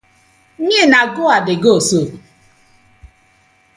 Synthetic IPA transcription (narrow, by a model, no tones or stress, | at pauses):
ɲɪnaɡʊadɪɡoso